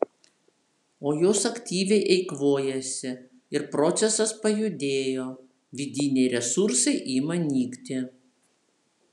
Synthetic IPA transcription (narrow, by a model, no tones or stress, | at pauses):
oːjoːsɐkt̪ʲiːʋʲɛɪʔɛɪkʋoːjɛsʲɪ | ɪɾpɾɔt̪sʲɛsɐspɐjʊd̪ʲeːjoː | ʋʲɪd̪ʲinʲɛɪɾʲɛsʊɾsɐɪʔiːmɐnʲiːkt̪ʲɪ